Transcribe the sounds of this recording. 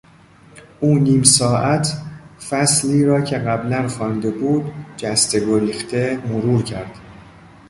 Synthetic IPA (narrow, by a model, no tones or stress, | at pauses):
ʔuːniːmsɒːʔæt̪ʰfæsliːɾɒːcʰeɣæblænxɒːnd̪e̞buːd̪̚d͡ʒæst̪e̞ɡoɾiːxt̪ʰe̞moɾuːɾcʰæɾd̪̥